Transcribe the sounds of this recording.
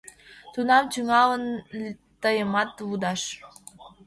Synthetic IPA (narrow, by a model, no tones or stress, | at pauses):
t̪unɑmt͡ɕyŋɑlən | t̪ɤjəmɑt̪vud̪ɑʃ